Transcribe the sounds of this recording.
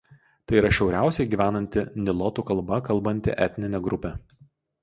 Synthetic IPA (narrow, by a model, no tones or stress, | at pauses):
t̪ɐɪiɾɐʃʲɛʊɾʲæˑʊsʲɛɪɡʲiːʋʲæːnɐnʲt̪ʲɪnʲɪlˠɔt̪uːkɐlˠbɐkɐlˠˑbɐnʲt̪ʲɪ̰ʔɛt̪ʲnʲɪnʲɛɡɾʊpʲɛ